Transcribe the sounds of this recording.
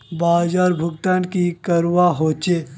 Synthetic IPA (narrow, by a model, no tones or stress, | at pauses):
baːd͡ʒaːɾbʱʊɡt̪aːnkikəɾwaɦoːt͡ʃe